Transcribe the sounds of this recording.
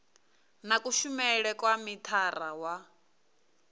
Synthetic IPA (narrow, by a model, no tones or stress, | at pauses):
nakʼuʃumɛɺɛkʼwamit̪ʰarawa